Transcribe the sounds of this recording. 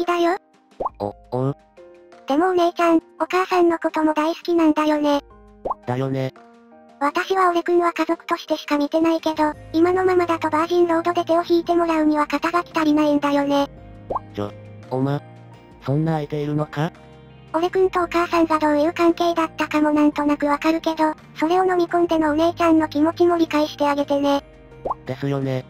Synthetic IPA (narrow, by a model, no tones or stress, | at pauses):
id̪ajo | o̰ | õ | d̪̥e̞mo̞net͡ɕãŋ | o̞kaːsãnːo̞ko̞t̪o̞mo̞d̪aisɨ̥kʲinãnd̪ajo̞ne̞ | d̪̥ajone | βat̪aɕiβao̞ɾekɯ̟̃ɴ̃βakazo̞kɯ̟̥t̪o̞ɕi̥t̪e̞ɕi̥kamʲit̪e̞naike̞d̪o̞imano̞mamad̪at̪o̞baːʑĩnɾo̞ːd̪o̞d̪e̞t̪e̞oçiːt̪e̞mo̞ɾaɯ̟ɲ̟iβakat̪aɡakʲi̥t̪aɾʲinaĩnd̪ajo̞ne̞ | o̰ | oma | sõ̞nːaːit̪e̞iɾɯ̟no̞ka | o̞ɾe̞kɯ̟̃nt̪o̞ːkaːsãŋɡad̪o̞ːjɯ̟ːkãŋke̞ːd̪at̪ːakamo̞nãnt̪o̞nakɯ̟βakaɾɯ̟ke̞d̪o̞ | so̞ɾe̞o̞no̞mʲikõnd̪e̞no̞ːne̞ːt͡ɕãnːo̞kʲimo̞t͡ɕimo̞ɾʲikaiɕi̥t̪e̞aɡe̞t̪e̞ne̞ | d̪̥e̞sɨjo̞ne